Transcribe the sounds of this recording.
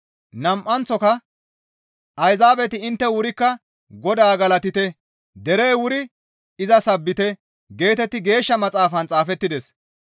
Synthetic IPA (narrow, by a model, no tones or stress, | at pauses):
nɐmʔɐnt͡sɔkɐ | ɐjzaːbɛt̪ɪɪnt̪ːɛwʊɾɪkːɐ | ɡɔd̪aːɡɐlɐt̪ɪt̪ɛ | d̪ɛɾeːwʊɾɪ | ɪzɐsɐbːɪt̪ɛ | ɡe̞ːt̪ɛt̪ːɪɡe̞ːʃːɐmɐt͡sʼaːfɐnt͡sʼaːfɛt̪ːɪd̪ɛs